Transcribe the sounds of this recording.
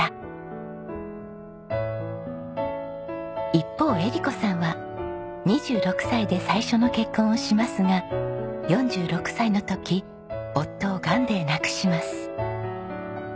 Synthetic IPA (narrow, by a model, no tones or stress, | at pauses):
a | ipːo̞ːe̞ɾʲiko̞sãɰ̃βa | ɲiʑɨːɾo̞kɯ̥said̪e̞saiɕo̞no̞ke̞kːõ̞ɰ̃oɕimasɨŋajõ̞ɲ̟d͡ʑɨːɾo̞kɯ̟̥saino̞t̪o̞kʲi | o̞t̪ːo̞ːɡãnd̪e̞ːnakɯ̟̥ɕimasɨ̥